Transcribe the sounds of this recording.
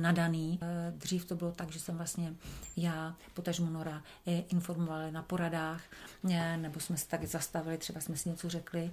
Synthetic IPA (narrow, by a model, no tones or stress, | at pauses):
nadaniːd̪r̝iːft̪o̞bɪlot̪aɡʒɛsɛmvlast̪ɲɛjaːpot̪aʒmunoɾa | ʔɪnfo̞ɾmovalɪnapo̞ɾadaːx | nɛbo̞smɛsɛ̥t̪aɡzast̪avɪlɪt̪ɛbasmɛsɪɲɛt͡so̞r̝ɛklɪ